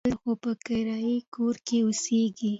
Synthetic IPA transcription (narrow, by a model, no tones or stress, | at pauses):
lxopəkaɾɑikoɾkeʊseɡi